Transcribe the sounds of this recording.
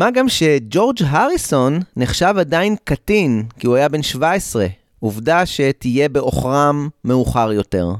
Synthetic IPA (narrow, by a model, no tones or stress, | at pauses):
maɡamʃe̞d͡ʒo̞ʁd͡ʒɦaʁiso̞nːeχʃavadainkatinkiuajabe̞nʃvae̞sʁe̞ | uvdaʃe̞tije̞be̞ʔo̞̰χʁamːe̞uχaʁjo̞te̞̰ʁ